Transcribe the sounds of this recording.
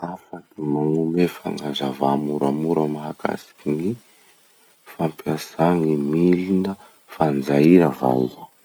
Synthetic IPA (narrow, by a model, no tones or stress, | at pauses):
afakimaŋumefa̰ŋazavamuɾamuɾəmaɦaka̰si̥kini | fampiasaŋimilinə | fand͡zaiɾava̰lə